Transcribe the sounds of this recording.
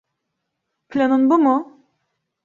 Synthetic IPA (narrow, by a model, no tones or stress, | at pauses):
pʰlʲenunbumʊ